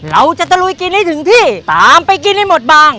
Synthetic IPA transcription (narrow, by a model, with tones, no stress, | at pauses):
ɾa˧wt͡ɕa˨˩t̪a˧lu˧jki˧nːiː˦˥˩t̪ʰɯ˩˦ŋt̪ʰiː˥˩t̪aː˨˦mpa˧jk̬i˧nha˧˩jmo˨˩t̪̚baː˧˩ŋ